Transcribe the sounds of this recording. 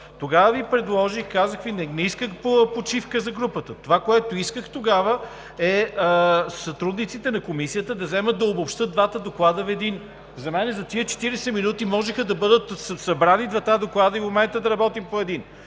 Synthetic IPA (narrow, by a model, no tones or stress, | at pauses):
t̪oɡavəvipɾɛd̪lˠɔʒixkazəxvinɛniskəxpopot͡ʃifkəzɐɡɾupət̪ət̪ovakoɛt̪oiskəxt̪oɡavə | ɛ | sɐt̪ɾud̪nit̪sit̪ɛnɐkomisijət̪əd̪ɐzɛmət̪̚d̪ɐobopʃt̪ɤt̪̚d̪vat̪əd̪oklˠad̪əvɛd̪in | zɐmɛnɛzɐt̪iət͡ʃɛ̥t̪iɾɛsɛminut̪imɔʒɛxəd̪ɐbɤd̪ət̪sɐbɾanid̪vɐt̪ad̪oklˠad̪əimomɛnt̪əd̪ɐɾɐbɔt̪impoɛd̪in